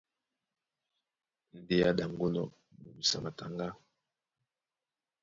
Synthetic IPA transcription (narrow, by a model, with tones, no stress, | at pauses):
n̩˨de˦ja˦da˨ŋɡo˦nɔ̰˨ | mu˨bi˨sa̰˨ma˨ta˨ŋɡa˦